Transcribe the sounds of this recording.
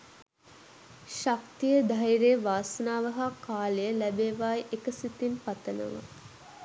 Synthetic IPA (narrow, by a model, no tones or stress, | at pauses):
ʃakt̪ijəd̪ajiɾeːʋaːsənaːʋəɦakaːlejəlæbeːʋaːjʔekəsit̪inpat̪ənə̰ʋa̰